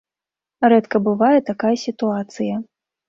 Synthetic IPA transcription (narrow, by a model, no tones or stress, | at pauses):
ɾɛt̪kɐbɨvajɛt̪akajɐsʲit̪uat̪sɨjɐ